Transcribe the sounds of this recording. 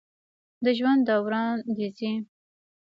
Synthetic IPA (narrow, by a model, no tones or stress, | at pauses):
d̪əʒwand̪d̪awɾɑnd̪izi